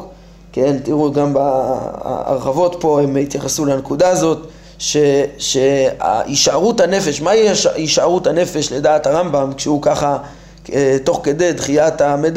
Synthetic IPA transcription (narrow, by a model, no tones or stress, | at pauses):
kent̪iʁuɡamba̰ | a̰ʁχavo̞t̪po̞emit̪jaχasulankud̪aːzo̞t̪ | ʃeʃea̰ʔiʃaʁuthane̞fe̞ʃmaiʃiʃaʁuthane̞fe̞ʃle̞daːthaʁambamkʃeukaχa | t̪o̞χke̞d̪e̞jd̪χijat̪amed̪